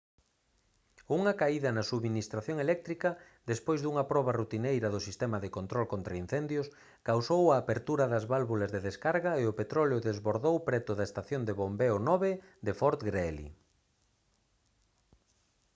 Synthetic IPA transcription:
uŋɐkaiðɐnɐsuβminist̪ɾaθjoŋelɛk̚t̪ɾikɐ | d̪espojzðuŋɐpɾɔβɐrut̪inejɾɐðʊsist̪ɛmɐðekont̪ɾɔlkont̪ɾɐin̟θɛnd̪jʊs | kawsowaːpeɾt̪uɾɐðɐzβalβulɐzðeðeskaɾɣɐeʊpet̪ɾɔljʊðezβoɾðowpɾɛt̪ʊðɐest̪aθjond̪eβombeʊnɔβe | d̪efɔɾt̪ɡɾɛlḭ

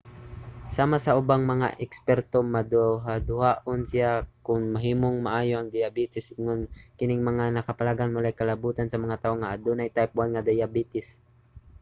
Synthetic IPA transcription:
saːmasɐʔʊbaŋmɐŋa̰ʔɛkspɛɾt̪omɐd̪ʊɦad̪ʊhaʔonsɪjakʊŋmɐɦiːmoŋmɐʔaːjoʔɐŋd̪ɪjɐbiːt̪ɪsɪŋʊnkɪnɪŋmɐŋanɐkɐpɐlaːɡanmʊlajkɐlɐbuːt̪ansɐmɐŋat̪aʔoŋaʔad̪unajt̪ajpwanŋad̪ajabiːt̪ɪs

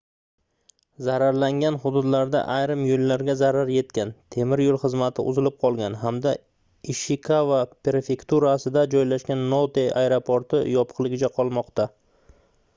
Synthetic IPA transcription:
zaɾaɾlaŋɡʲanɦʊd̪ʊd̪laɾd̪a̰ʔajɾɪmjolːaɾɡʲazaɾaɾje̞t̪kʲant̪ʰe̞mɪɾjolˠχɨzmat̪ʰɪ̰ʔʊ̰zɪlɪp̚qʰɒlˠɡʲanɦamd̪a | ɪʃɪkʰavapeɾefe̞kt̪uɾasɪd̪ad͡ʒɒjlaʃkʲanːot̪eʔajɾopʰoɾt̪ɪjɒpʰɨ̥qlˠɪɡʲɪt͡ʃʰaqʰɒlˠmɒqt̪a

